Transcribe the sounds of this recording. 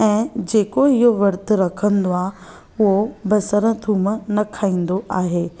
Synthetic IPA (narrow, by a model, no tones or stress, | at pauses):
ɛ̃ːd͡ʑeːkoɪɦoʋɐɾt̪ʊ̆ɾɐkʰə̃nd̪oaː | ʊɦobɐsəɾə̃t̪ʰuːmənɐkʰaːĩːn̆d̪oʔaːɦeː